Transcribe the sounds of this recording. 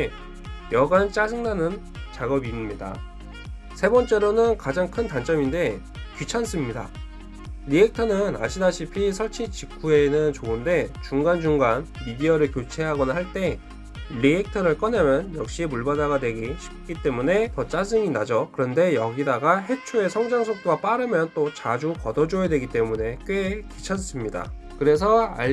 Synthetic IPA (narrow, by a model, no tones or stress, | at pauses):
jʌɡant͡ɕ͈ad͡ʑɯŋnanɯn | t͡ɕaɡʌbiɲida̰ | sʰe̞bʌnt͡ɕ͈eɾonɯnkad͡ʑaŋkʰɯntant͡ɕ͈ʌminde̞ | kjut͡ɕʰans͈ʰɯmɲida̰ | ɾiek̚tʰʌnɯna̰ɕʰidaɕʰipʰis̬ʰʌɭt͡ɕʰit͡ɕikʰue̞nɯnt͡ɕoɯnde̞t͡ɕuŋɡand͡ʑuŋɡanmidiʌɾɯɭkjot͡ɕʰe̞ɦaɡʌnaɦaɭt͈e̞ | ʎiek̚tʰʌɾɯɭk͈ʌnemjʌnjʌk̚ɕ͈imuɭbadaɡadwe̞ɡiɕʰi̥p̚k͈it͈e̞mune̞tʌt͡ɕ͈asɯŋinad͡ʑʌkɯɾʌnde̞jʌɡidaɡaɦe̞t͡ɕʰoe̞sʰʌŋd͡ʑaŋsʰʌk̚t͈oɡap͈aɾɯmjʌnt͈ot͡ɕad͡ʑukʌdʌd͡ʑojadwe̞ɡit͈e̞mune̞k͈ekit͡ɕʰans͈ɯmɲida̰ | kɯɾe̞s̬ʰʌa̰